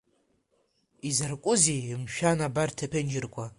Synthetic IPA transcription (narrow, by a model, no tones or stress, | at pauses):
izarkʷʼʊzimʃᶣanabartʰapʰend͡ʒɪrkʷa